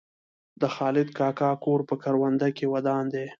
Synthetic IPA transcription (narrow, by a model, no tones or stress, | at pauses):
d̪əxɑːlɪd̪̚kɑkɑkoɾpəkaɾwand̪akewad̪ɑnd̪e